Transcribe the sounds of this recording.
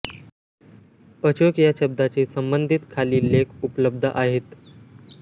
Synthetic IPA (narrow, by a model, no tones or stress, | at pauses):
ət͡ɕokijaɕəb̚d̪ʱat͡ɕiːsəmbənd̪ʱit̪kʰaliːlekʰupləb̚d̪ʱəʔaɦet̪